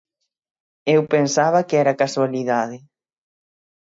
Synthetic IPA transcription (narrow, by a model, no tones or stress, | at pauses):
ewpensaβ̞ɐkɪɛɾakaswaliðaðɪ